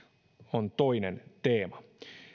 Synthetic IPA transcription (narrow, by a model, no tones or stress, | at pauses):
ont̪oinent̪eːmɑ